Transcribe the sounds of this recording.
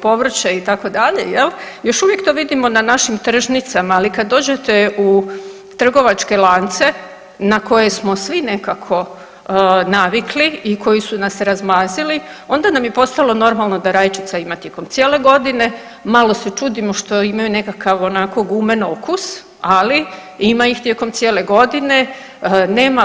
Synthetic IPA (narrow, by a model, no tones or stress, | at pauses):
po̞ʋr̩t͡ɕeit̪ako̞d̪aʎe̞̰jel | jo̞ʃuʋje̞kt̪o̞ʋid̪imo̞nanaʃimt̪r̩ʒnit̪samaːlikad̪dːo̞ːd͡ʑe̞t̪e̞u | t̪r̩ɡo̞ʋat͡ʃke̞lˠant̪se̞ | nako̞je̞smo̞sʋine̞kakʰo̞ | naʋikliikʰo̞jisunasɾazmaːzilio̞nd̪anamje̞po̞st̪alˠo̞no̞ɾmalˠno̞d̪aɾaːjt͡ʃi̥t̪saimat̪je̞ko̞mt̪sjele̞ɡo̞d̪ine̞ | malo̞set͡ʃuːd̪imo̞ʃt̪o̞imajune̞kakʰaʋo̞nako̞ɡume̞nokus | ali | imaixt̪je̞ko̞mt̪sjele̞ɡo̞d̪ine̞ | neːma